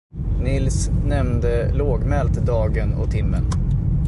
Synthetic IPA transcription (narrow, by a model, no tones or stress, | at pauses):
nɪlsnɛmd̪əloːɡmɛlt̪d̪ɑːɡənɔ̰t̪ʰɪmːən